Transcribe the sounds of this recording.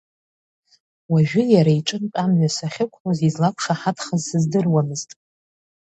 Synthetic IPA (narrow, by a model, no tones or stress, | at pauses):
waʒᶣʊjaɾaiʈ͡ʂʼɨnpʲʼamɥʷasaχʲɪkʷʰħozizlakʷʰʂaħatʰχazsɨzdɨrwamɨztʼ